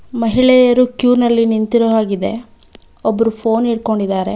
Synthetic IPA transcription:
mɐɦiɭɛjɐɾukjuːnɐlːinint̪iɾɐʋaːɡid̪e̞ | ɔbːɐɾupʰo̞ːniːɽko̞ɳɖid̪aːɾe̞

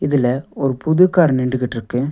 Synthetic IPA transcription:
ɪðɪlɐɔɾɯpʊðɯkːaːɾnɪɳɖɯkɪʈːɪɾɯkːɯ

